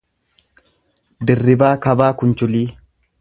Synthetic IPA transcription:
d̪ɪrːɪbaːkɐbaːkʊnt͡ʃʊliː

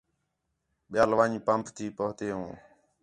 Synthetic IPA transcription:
ɓɪjaːlʋaːɲpəmpʰt̪ʰiːpəɦt̪eːɦũː

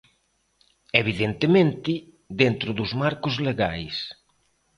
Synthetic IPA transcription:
eβ̞iðent̪emẽnt̪ɪ | ðent̪ɾʊðʊzmaɾkʊzleɣajs

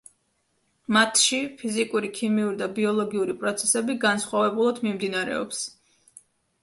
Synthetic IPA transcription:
mat̪ʰʃipʰizikʼuɾikʰimiuɾid̪abiɔlˠɔɡiuɾipʼɾɔt̪sʰɛsɛbiɡansχwavɛbulˠad̪mimd̪inaɾɛ̰ɔ̰ps

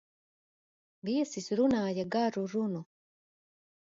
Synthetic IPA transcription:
biɛsisɾunajaɡaɾuɾunɔ

